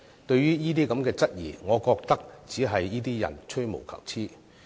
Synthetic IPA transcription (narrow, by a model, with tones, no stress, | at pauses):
t̪ɵ˧ɥjyː˥jiː˥t̪iː˥kɐ˨˥mkɛː˧t͡sɐ˥t̚jḭː˨˩ŋɔː˨˧kɔː˧k̚t̪ɐ˥k̚t͡siː˨˥ɦɐ˨jːiː˥t̪iː˥jɐ̰˨˩nt͡ʃʰɵ˥ɥmo̰˨˩wkʰɐ̰˨˩w̚t͡sʰiː˥